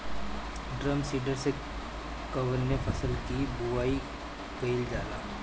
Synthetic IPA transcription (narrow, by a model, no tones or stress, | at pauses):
ɖɾəmsiːɖəɾse | kɐʋənːepʰɐsəlkibuaːi | kɐɪld͡ʒaːlaː